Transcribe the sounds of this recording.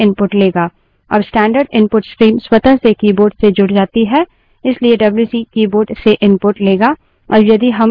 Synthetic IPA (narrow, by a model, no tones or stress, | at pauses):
ɪ̃npʊʈleːɡaː | ɐ̰bsʈɛ̃ːɳɖəɾɖɪ̃npʊʈskɾiːmswɐt̪əsekiːboːɾʈsed͡ʒʊɽd͡ʒaːt̪iɦɛː | ɪslieɖɐbljuːsiːkiːboːɾʈseʔɪ̃npʊʈleːɡaː | ɔ̰ːɾjɐd̪iɦɐm